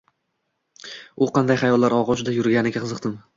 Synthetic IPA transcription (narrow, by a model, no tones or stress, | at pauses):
ʊqɑnd̪ajχajɒlːaɾɒʁɒʃʊd̪ajʊɾɡʲanɪɡʲaqʰɨzɨqt̪ɪm